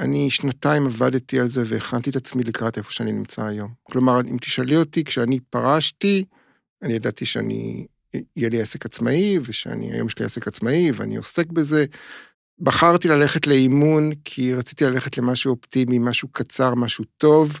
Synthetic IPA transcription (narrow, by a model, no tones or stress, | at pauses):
aniʃnataimavadt̪ialze̞veːχant̪it̪at͡smilikʁatefo̞ʃeaninimt͡saːjo̞mklo̞maʁimt̪i̥ʃaliotikʃeanipaʁaʃti | anijadatiʃea̰nḭː | jeliasekat͡smaiveʃea̰nḭa̰jo̞̰mʃelia̰sekat͡smaivea̰nḭo̞se̞kbeze̞ | baχaʁtilale̞χetle̞imunkʰiʁat͡si̥t̪ilale̞χetle̞maʃuoptimimaʃukʰat͡saʁmaʃuto̞v